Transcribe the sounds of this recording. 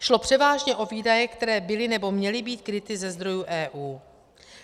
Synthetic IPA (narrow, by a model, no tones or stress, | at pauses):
ʃlo̞pr̝̥ɛvaːʒɲɛʔo̞viːdajɛkt̪ɛɾɛːbɪlɪnɛbo̞mɲɛlɪbiːt̪kɾɪt̪ɪzɛzd̪ɾo̞juʔɛːʔuː